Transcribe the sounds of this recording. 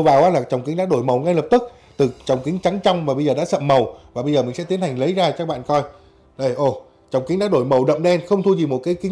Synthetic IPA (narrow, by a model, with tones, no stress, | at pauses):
wvaː˨˩wʔaː˨˦laː˨˩t͡ɕɔ˨˩wŋ͡mkï˨˦ɗa̰ː˧˥ɗo˧˩jmə˨˩wŋa˧jlə˨˩p̚t̪ɨ˦˥k̚ | t̪ɨ˨˩t͡ɕɔ˨˩wŋ͡mkï˨˦ŋt͡ɕa˨˦ŋt͡ɕɔ˧wŋ͡mvaː˨˩ɓə˧jzəː˨˩ɗa̰ː˧˥sə̰˧˨mːə˨˩wvaː˨˩ɓə˧zəː˨˩mï̟˨˩sɛ̰˧˥i˨˦ənha˨˩jŋ̟lə˨˦jzaː˧t͡ɕaː˦˥k̚ɓa̰ː˧˨nkɔ˧j | ɗə˧˩jʔo˧˩ | t͡ɕɔ˨˩wŋ͡mkï̟˨˦ɗa̰ː˧˥ɗo˧˩jmə˨˩wɗə̰˧˨mɗɛ˧nxə˧wŋ͡mt̪ʰu˧zi˨˩mo˨˩t̚kaː˨˦jki˨˦